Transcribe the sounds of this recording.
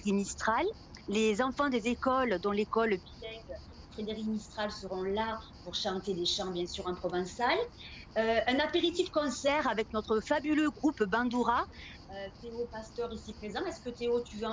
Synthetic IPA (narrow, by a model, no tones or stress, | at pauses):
ʁimist̪χalː | ezɑ̃fɑ̃d̪ezekɔld̪ɔ̃lekɔlbilɛɡ | fχed̪eʁimist̪χalsəʁɔ̃lapuʁʃɑ̃t̪ed̪eʃɑ̃bjɛ̃syʁɑ̃pχɔvɛ̃saløɛ̃napeʁit̪ifkɔ̃sɛʁavɛknɔt̪χəfabyløɡʁupbɑ̃d̪uʁa | øt̪eopast̪œʁisipχezɑ̃ɛskət̪eot̪yvø̃